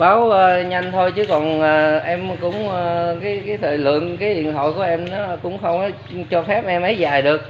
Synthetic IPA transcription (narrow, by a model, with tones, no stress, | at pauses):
ɓaː˨˦wəː˨ɲa˧jŋ̟t̪ʰo˧jt͡ɕɨ˨˦kɔ˨˩naː˨˩ʔɛ˧mkʊ̰˧˥ŋ͡mkaː˨˦jkaː˨˦jt̪ʰə̰ː˧˨˩lɨ̰˧˨ənkaː˨˦jhḭ˧˨ənɦo̰˧˨jku˧˩əʔɛ˧mnɔ˨˦kʊ̰˧˥ŋ͡mxə˧wŋ͡mʔɔ˨˦ | t͡ɕɔ˧fɛ˦˥p̚ʔɛ˧mʔə˨˦jzaː˨˩jɗɨ˨˩ək̚